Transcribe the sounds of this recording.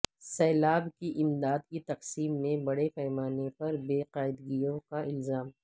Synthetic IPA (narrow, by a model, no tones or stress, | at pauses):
sɛːlaːbkiʔɪmd̪aːd̪̚kit̪ɐqsiːmːẽbɐɽepɛɦmaːnepɐɾbeːqaːɪd̪ɡijõkaʔɪlzaːm